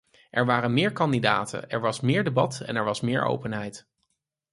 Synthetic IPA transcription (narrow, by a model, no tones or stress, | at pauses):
ʔɛɹʋaːrənmɪːɹkɑndida̰ːtʰə̰nɛɹʋɑsmɪːɹdebɑtɛ̰nɛɹʋɑsmɪːɹʔo̰wpənɦɛjt